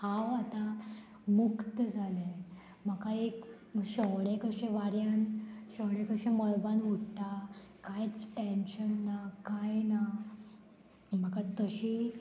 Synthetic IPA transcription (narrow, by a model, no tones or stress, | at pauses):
haʋat̪a | mukt̪əd͡zʱale | m̤akaek | ɕəʋɽẽkəɕẽʋaɾjanɕəwɳ̃ẽkəɕẽməɭbanuʈʈ̪a | kajt͡sʈenɕənːakajna | m̤əkat̪əɕi